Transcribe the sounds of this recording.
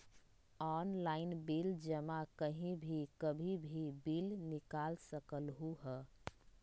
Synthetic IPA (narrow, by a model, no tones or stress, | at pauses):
ɔnlaɪnbild͡ʒəmakəɦĩbʱikəbʱibʱibilnikalsəkəlɦuɦə